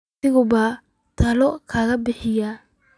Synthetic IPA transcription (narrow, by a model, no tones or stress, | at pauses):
ɪɣʊbaː | t̪ʰɐlɔkʰaːɣɐbɪħɪjaː